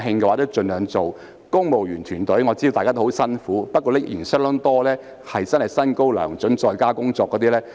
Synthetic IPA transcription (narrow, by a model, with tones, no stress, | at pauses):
ɦɪ˧ŋkɛ˧a˨˥˩t͡sɛ˥t͡ʃɵ˧nlœː˨˧ŋt͡so˨w | kʊ˥ŋmo˨wjyː˨˩nt̪ʰyː˨˩nt̪ɵ˨˥jŋɔː˨˧t͡siː˥o˨˧t̪aː˨kaː˥t̪o˥hwsɐ˥nfuː˨˥pɐ˥t̚kɔː˧˥lɛ˥kjḭː˨˩nsɛ˥lɔ˨˥ŋt̪ɔː˥lɛː˥ | hɐ˨jt͡sɐ˥nhɐ˨˩jsɐ˥nko˥wlœ̰ː˨˩ŋt͡ʃɵ˨˥nt͡sɔː˨jkaː˥kʊ˥ŋt͡sɔː˧kːɔː˨˥t̪iː˥lɛː˥